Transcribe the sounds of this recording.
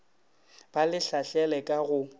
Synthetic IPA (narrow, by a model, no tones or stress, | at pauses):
b̥alɪɬaɬɛlɛkʼaɣʊ